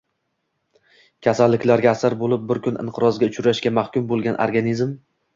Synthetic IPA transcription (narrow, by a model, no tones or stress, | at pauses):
kʲʰasalːɪkʲlaɾɡʲaːsaɾbolɪp̚bɪɾkʰʲʊnɪ̰ɴqʰɨɾɒzɡʲaʊt͡ʃʰʊɾaʃkʲamahkʲʊmbolˠɡʲanʔo̰ɾɡanizm